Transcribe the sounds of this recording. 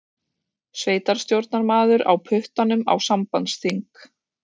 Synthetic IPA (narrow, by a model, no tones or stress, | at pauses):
sveːjt̪aɾ̥st̪jowɾt̪naɾmaːðʏɾa̰wpʰʏht̪anʏma̰wsampansθiŋk